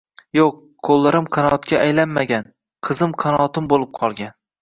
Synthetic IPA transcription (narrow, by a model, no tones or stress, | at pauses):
joq̚ːʰolˠːaɾɪmqʰɑnɒt̪kʲaːjlanmaɡʲan | qʰɨzɪmqʰɑnɒt̪ʰɪmbolˠɪp̚qʰɒlˠɡʲan